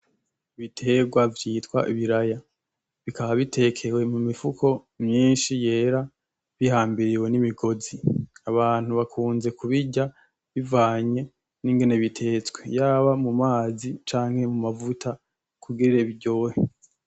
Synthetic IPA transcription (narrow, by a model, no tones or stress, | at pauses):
βitʰe̞ːɡwavjiːtwa̰ʔiβiɾaja | βikaβaβitʰe̞kʰe̞we̞mumifukʰo̞ | mɲiːnʃije̞ːɾa | βihaːmbiɾiwe̞nimiɡo̞ziaβaːn̥uβakʰuːnze̞kuβiɟa | βivaːɲe̞ | niŋɡe̞ne̞βitʰe̞ːt͡swe̞jaːβamumaːzit͡ʃaːŋhe̞mumavutʰa | kʰuɡiɾɾeβiɟo̞ːhe